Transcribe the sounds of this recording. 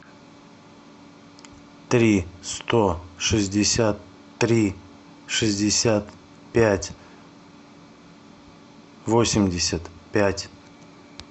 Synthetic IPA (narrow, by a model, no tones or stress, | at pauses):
t̪ɾʲist̪oʂɨzʲdʲɪsʲat̪ː | ɾʲi | ʂɨzʲdʲɪsʲat̪ | pʲætʲ | vosʲɪmʲdʲɪsʲət̪pʲætʲ